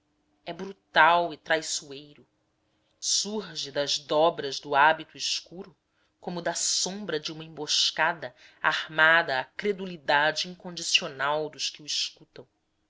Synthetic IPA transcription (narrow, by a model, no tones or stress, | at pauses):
ɛbɾut̪awɪt̪ɾajsuejɾʊ | suɦʒɪd̪ɐzd̪ɔbɾɐzd̪ʊabit̪uiʃkuɾʊ | kõmʊd̪ɐsõmbɾɐd͡ʒɪũmɐẽmboʃkad̪ɐ | a̰hmad̪ɐːkɾed̪ulid̪ad͡ʒɪĩŋkõnd͡ʒisionawd̪ʊʃkɪuiʃkut̪ɐ̃w̃